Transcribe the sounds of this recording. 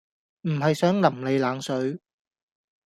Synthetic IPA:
m̩˨˩ɦɐ˨jsœː˨˥ŋlɐ˨˩mle˨˧jlaː˨˥ŋsɵ˨˥ɥ

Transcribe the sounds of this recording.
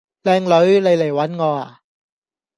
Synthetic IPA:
lɛː˧ŋlɵ˨˥jla˨˩jle˨˩jwa˨˦˥nŋɔː˧˩a̰˨˩

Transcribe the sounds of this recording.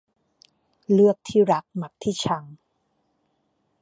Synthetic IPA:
lɯ˥˩ək̚t̪ʰiː˥˩ɾa˦˥k̚ma˨˩k̚t̪ʰiː˥˩t͡ɕʰa˧ŋ

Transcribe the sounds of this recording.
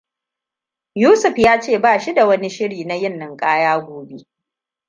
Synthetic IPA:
juː˦sʊ˨ɸjaː˦t͡ʃeː˦˨baː˦˨ʃi˦da˨wɐ˦ni˦ʃɪ˦ɽiː˨na˦jɪ˦˨nːɐ˦˨ŋkʼaː˦jaː˦ɡʷoː˨be˦ʔ

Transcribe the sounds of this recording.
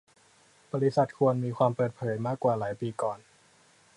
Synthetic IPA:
b̥ɔː˧li˦˥sa˨˩t̪̚kʰu˧ənmiː˧kʰwaː˧mpɤː˨˩t̪̚pʰɤː˩˦jmaː˥˩kːwaː˨˩laː˩˦jpiː˧kɔː˨˩n

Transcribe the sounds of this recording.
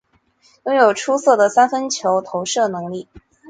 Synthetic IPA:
jʊ˥ŋjo˨˩ʊʈ͡ʂʰu˥sɤ˥˩d̪ə˩sa˥nfə˥nt͡ɕʰjo˧˥ʊt̪ʰo˧˥ʊʂɤ˥˩nɤ˧˥ŋli˥˩

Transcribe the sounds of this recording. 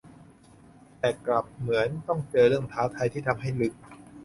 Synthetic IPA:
t̪ɛː˨˩kla˨˩p̚mɯ˩˦ənt̪ɔ˥˩ŋt͡ɕɤː˧ɾɯ˥˩əŋt̪ʰaː˦˥wt̪ʰa˧jt̪ʰiː˥˩t̪ʰa˧mɦa˥˩jlɯ˦˥k̚

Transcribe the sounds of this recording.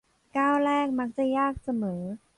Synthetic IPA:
kaː˥˩wlɛː˥˩k̚ma˦˥k̚t͡ɕa˨˩jaː˥˩k̚sa˧mɤː˩˦

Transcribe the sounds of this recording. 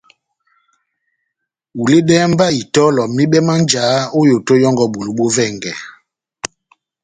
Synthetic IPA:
u˨le˦ɗɛː˦m˦ba˦i˨tɔ˦lɔ˨mi˦ɓɛ˦ma˦nd͡ʒaː˨˦o˦jo˨to˦jɔ˦ŋɡɔ˨ɓo˨lu˨ɓo˦vɛ˦˨ŋɡɛ˨

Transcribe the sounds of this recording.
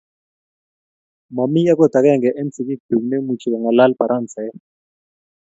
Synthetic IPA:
ma˨mi˦a˦k̬ɔ˦˨d̪ʱa˨k̬ɛ˦˨ŋɡɛ˨ʔɛ˦nt͡si˨k̬i˦k̚d̥u˨ŋne˦mu˨t͡ʃʰi˨ka˨ŋa˨la˦lb̥a˨ɾʔa˦nt͡sʰɛ˨ɛ˦

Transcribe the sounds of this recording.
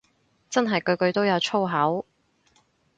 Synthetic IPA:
t͡sɐ˥nɦɐ˨jkɵ˧ɥkɵ˧ɥt̪o˥wjɐ˨˧wt͡sʰo˥wɦɐ˨˥w

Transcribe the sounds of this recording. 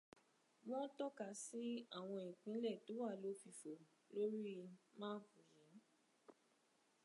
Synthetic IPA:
wɔ̃˦tɔ˦ka˨si˦a˦˨w̃ɔ̃˧ĩ˨k͡pĩ˨˦lɛ˦˨to˨˦wa˦˨lo˨˦fi˧˨fo˨ | lo˦ɾi˦˧mãː˦fu˨jĩ˨˦

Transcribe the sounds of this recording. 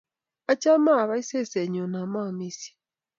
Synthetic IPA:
a˦t͡ʃa˦ma˦˨βa˦i˦se˦se˨ɲo˨na˨ma˦˨mi˦si̥˦

